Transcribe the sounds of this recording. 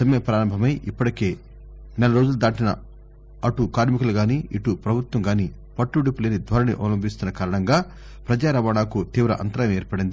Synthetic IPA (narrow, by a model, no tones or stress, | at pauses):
ɐmjepɾaːɾɐmbʱɐmɐjʔipːɐʈɐkeː | nɛlɐɾo̞ːd͡ʒulɐd̪aːʈinɐ̰ | ɐʈukaːɾmikɐluɡaːniiʈupɾɐbʱut̪wɐŋɡaːni | pɐʈːuɽipuleːnid̪ʱʋɐɾɐnḭʔɔ̰lɐmbist̪unːɐkaːɾɐɳɐŋɡaː | pɾɐd͡ʒaːɾɐʋaːɳaːkut̪iːʋɾɐ̰ʔɐ̰nt̪ɐɾaːjɐmeːɾpɐɽind̪i